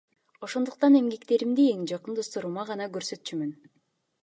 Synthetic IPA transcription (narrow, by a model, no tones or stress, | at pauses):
o̞ʃo̞nd̪uq̚t̪ɑne̞mɡe̞kt̪e̞ɾimd̪ieŋd͡ʒɑqɯnd̪ost̪oɾuːmɑʁɑnɑɡøɾsø̞t̪t͡ʃʰymyn